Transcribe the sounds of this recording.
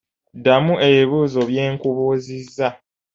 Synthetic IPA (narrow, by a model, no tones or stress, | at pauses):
damuʔe̞βiβuːzo̞βje̞ːŋkuβuːzizːa